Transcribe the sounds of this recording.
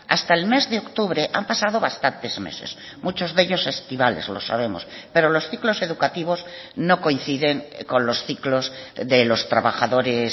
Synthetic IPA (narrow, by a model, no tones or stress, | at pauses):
a̰st̪aelme̞zðeokt̪uβɾeʔampasað̞oβast̪ant̪e̞zmḛse̞̰s | mut͡ʃozðe̞ʎo̞se̞st̪iβalḛzlo̞̰sa̰β̞e̞mospe̞ɾolo̞sθiklo̞se̞ðukat̪iβ̞oznoko̞inθiðeŋkõ̞nlo̞sθiklozðelo̞st̪ɾaβaxaðo̞ɾes